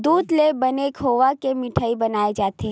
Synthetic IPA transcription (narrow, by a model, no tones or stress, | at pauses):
d̪uːd̪lebɐnekɦoːʋakemɪʈʰaːibɐnaːed͡ʒaːt̪e